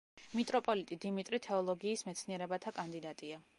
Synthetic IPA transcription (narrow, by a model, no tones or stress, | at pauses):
mit̪ʼɾɔpʼɔlit̪ʼid̪imit̪ʼɾit̪ʰɛɔlˠɔɡiːsmɛt̪sʰniɛɾɛbat̪ʰakʼand̪id̪at̪ʼia